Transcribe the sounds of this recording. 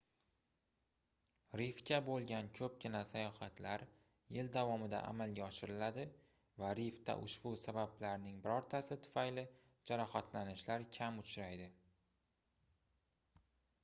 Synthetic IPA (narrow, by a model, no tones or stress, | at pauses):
ɾɪfkʲabolˠɡʲankʲʰɵp̚kʲɪnasajɒχat̪laɾ | jɪld̪avɒmɪd̪a̰ʔa̰malɡʲaɒʃɪɾɪlad̪ɪ | vaɾɪft̪a̰ʔʊ̰ʃbʊsabablaɾnɪŋbɪɾɒɾt̪ʰasɪt̪ʰʊ̥fajlɪ | d͡ʒaɾɒχat̪ʰlanɪʃlaɾkʲʰamʊt͡ʃʰɾajd̪ɪ